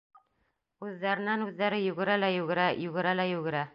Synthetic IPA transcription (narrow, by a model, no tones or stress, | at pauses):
ʉðːæɾɘ̆nænʉðːæɾɘjʉɡɘ̆ɾælæjʉɡɘ̆ɾæjʉɡɘ̆ɾælæjʉɡɘ̆ɾæ